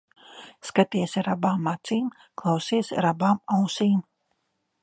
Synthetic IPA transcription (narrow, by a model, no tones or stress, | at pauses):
skat̪iɛsɾabaːmːat̪siːm | klˠawsiːsɾabaːmawsiːm